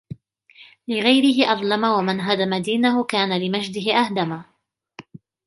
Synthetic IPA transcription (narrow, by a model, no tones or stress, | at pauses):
lɪɣajɾɪɦɪʔɑðˤlɑmawamɪnɦad̪amad̪iːnahʊkaːnalɪmad͡ʒd̪ɪɦɪʔahd̪ama